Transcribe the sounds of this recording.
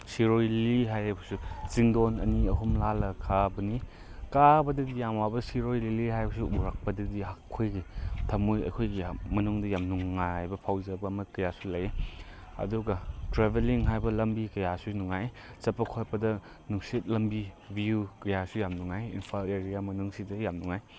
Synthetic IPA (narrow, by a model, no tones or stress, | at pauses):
siɾojliɦajɦajbɐsut͡ʃiŋdonɐ̰niɐɦumlalɐkʰabɐni | kabɐdɐdijamwabɐsiɾojliliɦajbɐsuʔuɾak̚pɐdɐdiɦakʰːojɡitʰɐmojɐ̰jkʰojɡimɐnuŋdɐjamnuŋːajbɐpʰawzɐbɐːmɐkɐjasulɐjeɐ̰duɡɐtɾebeliŋɦajbɐlɐmbikɐjasunuŋaj | sɐpːɐkʰotpɐdɐ | nuksit̚lɐmbi | biukɐjasujamnuŋajinpʰaleɾijamɐnuŋsidɐjamnuŋaj